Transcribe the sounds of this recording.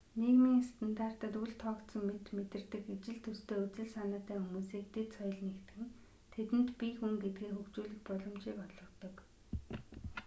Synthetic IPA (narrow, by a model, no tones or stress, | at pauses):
nekmiːŋast̪ə̆nt̪aːr̥t̪ə̆t̪uɮt̪ʰɔːkt̪sɞ̆mmet̪met̪ɘ̆rt̪ɘ̆kit͡ɕɪ̆ɮt̪ʰɵst̪ʰeːut͡sɘ̆ɮsanəːt̪æːxumuːsiːk̚t̪et̪sɔj̆ɮnekt̪ɘ̆ŋ | t̪ʰet̪ɘ̆nt̪pʲixuŋɡet̪̚ɡiːŋxɵkt͡ɕuːɮɘ̆xpɔɮɞ̆mt͡ɕiːkɔɮɞ̆t̪ɞ̆k